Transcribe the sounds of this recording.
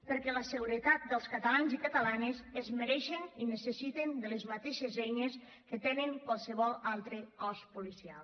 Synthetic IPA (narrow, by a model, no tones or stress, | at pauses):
pəɾkɛləsəɣuɾət̪at̪̚d̪əlˠskat̪alanzikət̪əlanezəzməɾɛʃeninəsəsit̪end̪ələzmat̪eʃezɛjnes | kət̪enəŋkwalˠsəβɔlˠalˠt̪ɾəkɔspulisia̰lˠ